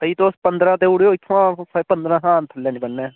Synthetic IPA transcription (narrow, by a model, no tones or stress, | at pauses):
əiːt̪ospənd̪ɾãːt̪eːuɽeːoːikʰːãsəpənd̪ɾãːɦãːnt̪ʰəlːɛ̃ːnĩbənːeː